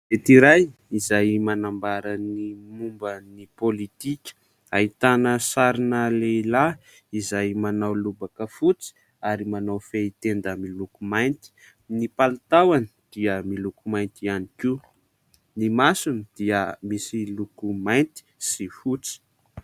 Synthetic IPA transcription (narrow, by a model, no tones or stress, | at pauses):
vet̪iɾajizajmanambaɾənimumbənipolit̪ikʲə̥ | ait̪anəsaɾinəleila | izajmanawlubakəfut͡si̥ | aɾimanawfeit̪end̪əmilukumajnt̪i̥ | nipalt̪awani̥d̪̥iəmilukumajnt̪ianiki | nimasund̪̥iəmisilukumajnt̪i̥sifut͡si̥